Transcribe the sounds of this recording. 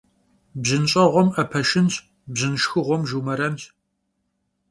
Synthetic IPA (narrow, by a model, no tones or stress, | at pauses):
bzɨnɕʼɐʁʷɔmɐpʰɐʃɪnɕʰ | bzɨnʃxɨʁʷɔmʒumɐɾɐnɕ